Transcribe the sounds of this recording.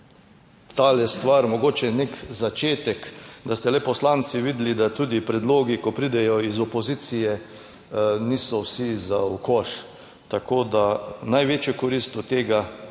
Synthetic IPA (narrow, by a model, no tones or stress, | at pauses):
t̪alɛst̪ʋaɾmɔɡoːt͡ʃɛnekzat͡ʃeːt̪ɛkd̪ast̪ɛlɛpɔslaːnsiʋid̪lid̪at̪uːd̪ipɾɛd̪loːɡikɔpɾiːd̪ɛjɔizɔpoziːt̪sijɛ | niːsɔwsizaukɔʃ | t̪akoːd̪anajʋeːt͡ʃjɛkɔɾist̪ut̪eːɡa